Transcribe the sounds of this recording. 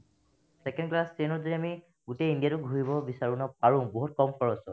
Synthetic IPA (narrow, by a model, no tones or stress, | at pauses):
sɛkɛndklastenɔdiɹiami | ɡuteindijatʊɡʱuɦibɔbisaɹunɔpaɹʊ̃boɦut̚kɔmpʰɔɹɔsɔ